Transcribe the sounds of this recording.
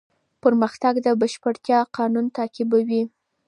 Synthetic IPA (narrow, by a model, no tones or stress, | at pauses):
pəɾməxt̪aɡd̪əbəʃpəɽt̪jɑqɑnunt̪ɑkɪbawi